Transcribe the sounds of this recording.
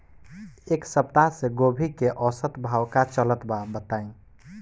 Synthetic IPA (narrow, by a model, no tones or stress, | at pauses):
eksəp̚t̪aɦsẽɡobʱikeʔɔsət̪bʱawkat͡ʃələt̪babət̪aĩ